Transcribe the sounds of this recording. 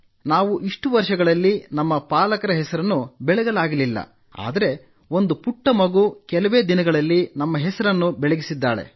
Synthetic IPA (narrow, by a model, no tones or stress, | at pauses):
naːʋuʔiʂʈuʋɐɾʂɐɡɐɭɐlːinɐmːɐpaːlɐkɐɾɐɦɛsɐɾɐnːubɛɭɐɡɐlaːɡɐlilːɐ̰ | a̰ːd̪ɐɾe̞ | o̞nd̪upuʈːɐmɐɡuːkɛlɐʋeːd̪inɐɡɐɭɐlːinɐmːɐɦɛsɐɾɐnːubɛɭeɡisid̪ːaːɭḛ